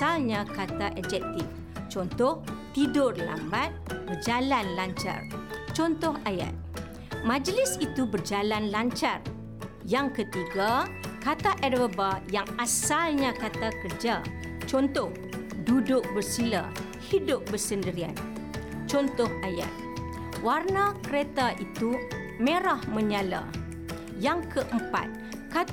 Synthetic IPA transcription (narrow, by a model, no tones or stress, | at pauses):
alɲãkat̪aʔɛd͡ʒɛk̚t̪ɪf | t͡ʃɔnt̪ɔht̪idʊrla̰mbat̪̚bərd͡ʒalanlaɲt͡ʃa̰rt͡ʃɔnt̪ɔɦaja̰t̪̚ | mãd͡ʒlɪsit̪ubərd͡ʒalanlaɲt͡ʃar | jaŋkət̪iɡakat̪aʔɛdobajaŋasalɲãkat̪akərd͡ʒa | t͡ʃɔnt̪ɔh | dudʊk̚bərsila̰ | hidʊp̚bərsəndəɾia̰n | t͡ʃɔnt̪ɔhaja̰t̪̚ | warnakəɾet̪aʔit̪u | mẽɾahmə̃ɲala̰ | jaŋkʰəʔəmpa̰t̪̚ | ka